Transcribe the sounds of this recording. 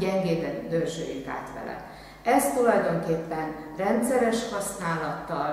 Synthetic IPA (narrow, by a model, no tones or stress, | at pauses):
ɟɛŋɡeːd̪ɛnd̪ørʒø̰ːjḭŋk̪a̰ːt̪ʋɛ̰lɛ̰ | ɛst̪ulɒjd̪o̞ŋkeːpːɛnrɛnt̪sɛɾɛʃhɒsnaːlɒt̪ːɒl